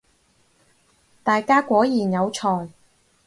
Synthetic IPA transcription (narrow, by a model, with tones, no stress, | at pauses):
t̪aː˨jkaː˥kʷɔː˨˥jiː˨˩njɐ˨˧wt͡sʰɔː˨˩j